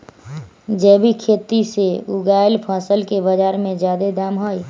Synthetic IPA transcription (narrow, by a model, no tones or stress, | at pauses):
d͡ʒɛːbʱikʰeːt̪iseuɡajlpʰaːsəlkebəd͡ʒaːɾmẽd͡ʒjaːd̪ed̪aːmɦoj